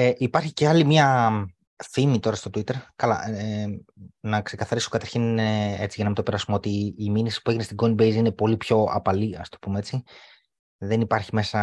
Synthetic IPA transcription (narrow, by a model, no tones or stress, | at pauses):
eʔipɐɾçice̞ɐlimɲɐ | θimit̪o̞ɾɐst̪o̞t̪uit̪e̞ɾkɐlɐ̰e | nɐkse̞kɐθɐɾisokɐt̪ɐɾçine̞t͡siʝɐnɐmit̪opeɾɐst̪umo̞t̪iːminisi̥pue̞ʝinest̪iɡoinbe̞jzine̞po̞lipço̞ɐ̰pɐliɐst̪opumeet͡si | ðe̞nipɐɾçime̞sɐ